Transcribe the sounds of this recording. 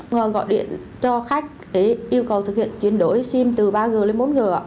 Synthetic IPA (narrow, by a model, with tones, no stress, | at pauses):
ɣɔ̰˧˨jɗḭ˧˨ən | t͡ɕɔ˧xa˦˥jk̟̚ɗe˧˩ʔi˧əwkə˨˩wt̪ʰk̚hḭ˧˨ənt͡ɕwi˧˩ənɗo˨˦jsi˧mt̪ɨ˨˩ɓaː˧ɣɨ˨˩le˧˦nmo˨˦nɣɨ˨˩əʔa̰ː˧˨